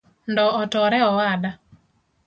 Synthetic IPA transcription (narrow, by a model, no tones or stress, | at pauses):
ndɔːtɔɾɛɔwada